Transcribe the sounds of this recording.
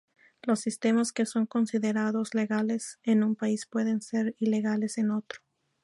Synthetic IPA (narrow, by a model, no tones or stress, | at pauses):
lo̞sːist̪e̞maske̞so̞ŋko̞nsiðe̞ɾaðo̞zle̞ɣale̞senumpaispwe̞ðe̞nse̞ɾile̞ɣale̞se̞no̞t̪ɾo